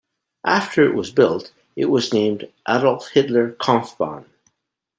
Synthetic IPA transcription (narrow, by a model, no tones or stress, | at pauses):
ʔaftʰə˞ɨ̰ʔwʌzbɪlˠt | ɪʔwʌznẽmdʔaɾəlˠt̚hɪdˡlˠə˞kʰɑ̃ɱfb̥ɑ̰̃n